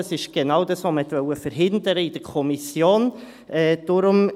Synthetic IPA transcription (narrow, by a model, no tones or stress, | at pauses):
ɑsɪʃɡ̥enaːʊdɑsoməhɛt̪vœwəfəɾɦɪndəɾəid̥əɾkʰɔmisjoːn | ʔɛːd̥ʊɾʊm